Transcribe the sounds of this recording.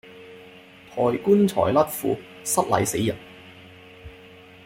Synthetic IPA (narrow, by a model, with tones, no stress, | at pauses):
t̪ʰɔː˨˩jkuː˥nt͡ʃʰɔ̰ː˨˩jlɐ˥t̚fṵː˨˧ | sɐ˥t̚lɐ̰˨˧jsḛ˨˥jːɐ˨˩n